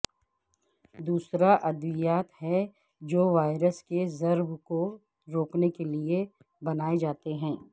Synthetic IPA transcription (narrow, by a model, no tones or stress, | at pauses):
d̪uːsɾaʔɐd̪ʋɪjaːt̪hɛ | d͡ʒoːʋaːɪɾəskezɐɾbko | ɾoːknekelie | bɐnaːed͡ʒaːt̪eɦɛ̃ː